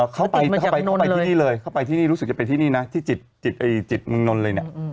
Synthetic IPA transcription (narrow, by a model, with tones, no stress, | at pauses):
ʔəː˨˩kʰa˦˥˩wpa˧jkʰa˥˩pa˧jkʰpa˧iː˥˧˩niː˥˩lɤː˧jkʰa˥˩wpa˧jt̪ʰiː˥˩niː˥˩ɾu˦˥s̚t͡ɕa˨˩pnt̪ʰiː˥˩niː˥˩na˦˥t̪ʰiː˥˩t͡ɕi˨˩t̪̚t͡ɕi˨˩t̪̚ʔa˧˩jt͡ɕi˨˩t̪̚mɯ˧ŋno˧nlɤː˧ni˥˩ɐ